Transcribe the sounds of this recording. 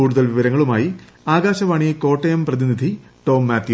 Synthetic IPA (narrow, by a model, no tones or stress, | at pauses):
uːɽuðɐlʋiʋɐɾɐŋːɐɭumaːji | aːɡaːɕɐʋaːɳijɐko̞ːʈːejɐmprɐðinid̪ʱiʈo̞ːmːaːt̪ʰju